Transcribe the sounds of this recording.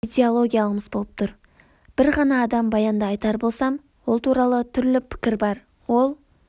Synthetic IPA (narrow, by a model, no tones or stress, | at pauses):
ijd̪ʲeolˠo̞ɡʲijalˠəəməzbo̞lˠəp̚t̪ʰʊɾ | b̥ɪɾʁɑnɑːd̪ɑmbɑjɑnd̪ɑːjt̪ɑɾbo̞lˠsɑm | wo̞lˠt̪ʰuɾɑlˠət̪ʰʏɾlɪpʰɪ̥kʲɪɾbɑɾ | wo̞lˠ